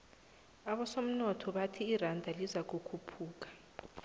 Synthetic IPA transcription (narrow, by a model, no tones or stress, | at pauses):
aɓɔsom̩nɔtʰɔɓatʰiːrandʱalizak̬ukʰupʰuːk̬ḁ